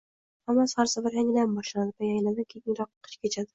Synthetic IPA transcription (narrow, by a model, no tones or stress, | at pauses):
hamːasχaɾsabaɾjaŋlambɒʃland̪ɪpʰajajlad̪ɪkʲʰeɪŋɾɒqːqʰːɨ̥t͡ʃkʲʰet͡ʃʰad̪ɪ